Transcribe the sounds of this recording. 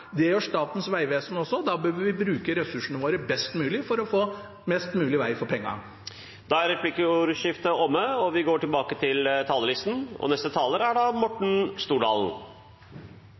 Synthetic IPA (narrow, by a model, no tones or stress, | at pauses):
d̪ɛjɔʂt̪ɑːt̪ən̩sʋæɪʋeːsənɔsːɔd̪ɑːbøːʋəʋɪbɾʉːkəɾɛsʉʂəɳəʋoːɾəbɛst̪mʉːlɪfɔɾɔfoː | mɛst̪mʉːlɪʋæɪfɔɾpʰɛŋːɑ̰ | d̪̥ɑæɾɛplɪkəuɾʃɪft̪əɔmːəɔʋɪɡoːʈɪlbɑːkət̪ʰɪlt̪ʰɑːləlɪst̪n̩ɔ̰nɛst̪ət̪ʰɑːləɾæɖɑmɔʈɳ̩st̪uːɖɑːln̩